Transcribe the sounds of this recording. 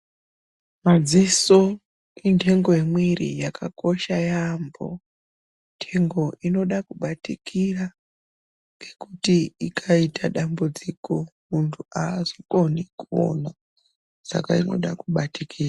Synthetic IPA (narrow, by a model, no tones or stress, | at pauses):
mad͡ziso | intʰe̞ŋɡo̞jemwirḭjakʰako̞ʃajambo̞̰ | ntʰe̞ŋɡo̞ʔino̞ɗakuɓatikʰira | ŋɡe̞kutiikʰaitaɗambud͡ziko̞muntʰuaːʐikonikuo̰na | sa̰kaino̞̰ɗakuɓatikʰiːra